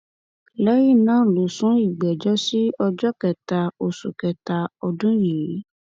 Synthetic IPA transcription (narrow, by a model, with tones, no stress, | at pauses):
lɛ˦ji˦˨nãː˨˦˨lo˨˦sũ˨˦i˦˨ɡ͡bɛ˨d͡ʒɔ˦si˦ɔ˧d͡ʒɔ˦kɛ˨ta˨˧o˨su˨kɛ˨ta˧ɔ˧dũ˦ji˨˦